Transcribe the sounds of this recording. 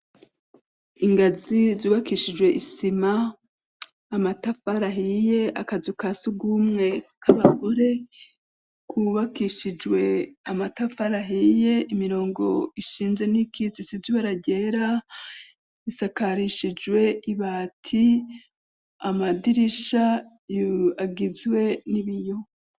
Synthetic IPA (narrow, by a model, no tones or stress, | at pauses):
iŋɡazizuːβakiːʃid͡ʒwe̞ʔisima | matafaɾaɦije̞ʔakazukasuɡuːmŋe̞kaβaɡo̞ɾe̞ | kʰuβakiʃid͡ʒwe̞amatafaɾaɦije̞ʔimiɾo̞ːŋɡo̞̰iʃiːnze̞nikʰizisiziβaɾaɟe̞ɾa | isakaɾiʃid͡ʒwe̞ʔiβaːtʰi | amadiɾiʃa | jaɡizwe̞niβijo̞